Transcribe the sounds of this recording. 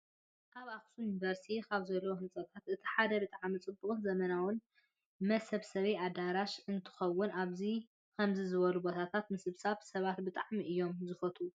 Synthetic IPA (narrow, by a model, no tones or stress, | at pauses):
kʰaβaxsujunivɐɾst̪ʰikʰaβzɐlːɐwohɨnt͡sʼɐt̪ʰat̪ʔɨt̪ʰi̥ħad̪ɐbɨt̪ʼaʕmit͡sʼɨbːuχʼzɐmɐnawʊn | mɐsɐβsɐβead̪aɾaʃɨnt̪ʰɨ̥xɐwːʊnaβzi | kʰɐmzizɨβɐlubot̪ʰat̪ʰat̪mɨsɨβsaβsɐβat̪̚bɨt̪ʼaʕmiʔɨjːo̞mzɨfɐt̪ʰu